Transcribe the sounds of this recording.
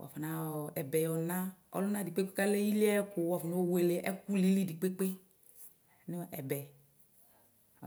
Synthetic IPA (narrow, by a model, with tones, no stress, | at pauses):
wɔ̰˨fa˨na˨˦˨ɛ˨bɛ˨jɔ˨lnã˦ɔ̰˨lu˦na˦di˨k͡pe˦k͡pe˦ka˦le˦ji˦li˦ɛ˦kʊ˨wɔ˨fɔ˨no˦o˦we˨le˨ʔɛ̰˦ku˦li˦li˦di˨k͡pe˦k͡pe˦ | ni˦˨˦ɛ˨bɛ˨